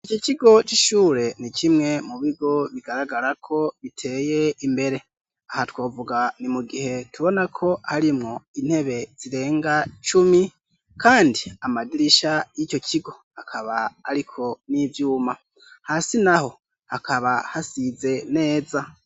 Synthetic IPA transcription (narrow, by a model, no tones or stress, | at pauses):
ico̞ciɡo̞t͡ʃiʃuːɾe̞nicimŋe̞muβiɡo̞βiɡaɾaɡaɾakʰo̞βitʰe̞ːje̞imbe̞ɾe̞ | ahatwo̞ːvuɡanimuɡihe̞tuβo̞nakʰo̞haɾimŋo̞in̥he̞βe̞z̥iɾe̞ːŋɡat͡ʃumi | kaːndiamadiɾiʃajico̞cʰiɡo̞ | hakʰaβaːɾikʰo̞nivjuːma | hasinaho̞ | hakʰaβahasize̞ne̞ːza